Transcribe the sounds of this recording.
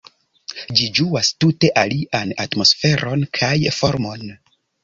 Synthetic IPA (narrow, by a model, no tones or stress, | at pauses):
d͡ʒid͡ʒuastute̞ʔaliʔanatmo̞sfe̞ɾʔo̞nkʰajfo̞ɾmo̞n